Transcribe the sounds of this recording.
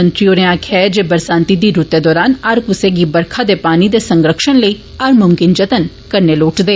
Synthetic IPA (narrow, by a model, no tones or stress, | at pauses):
ənt̪ɾioːɾẽãːkʰɛd͡ʒeːbəɾsãːnt̪id̪iːɾut̪ːeːd̪ɔːɾaːnɐɾkʊseːɡiːbəɾkʰad̪eːpaːniːd̪eːsə̃ŋɡɾəkʃənləiː | ɐɾmʊmkɪnd͡ʒət̪ən | kəɾneːloːʈd̪eː